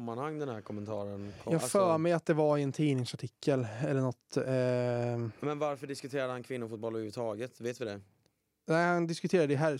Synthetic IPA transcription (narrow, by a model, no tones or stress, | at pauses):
mːanhaŋːd̪ɛnhæɾkʰɔmːɛnt̪ʰɑːɾənʰɔjɑːɡfœːɾmɛjat̪̚d̪ɛvaɾɪɛnt̪ʰiːnɪŋsaʈʰɪkːəlɛlːəɳɔt̪ | mɛnvaɾfœɖɪskɵt̪ʰeːɾad̪əhankʰvɪnːʊɾfuːt̪̚bɔlːəhʉvːət̪ʰɑːɡət̪veːt̪vɪd̪ɛ | næɪhand̪ɪskɵt̪ʰeːɾad̪əɪɦæɾ